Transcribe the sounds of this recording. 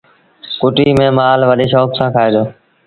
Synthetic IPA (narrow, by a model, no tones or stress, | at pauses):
kʊʈiːmẽːmaːlʋəɗeːʃoːksãːkʰaːeːd̪oː